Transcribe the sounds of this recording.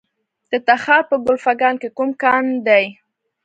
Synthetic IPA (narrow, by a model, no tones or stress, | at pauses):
d̪̥ət̪axɑɾpəɡʊlfaɡɑnkekumkɑnd̪aj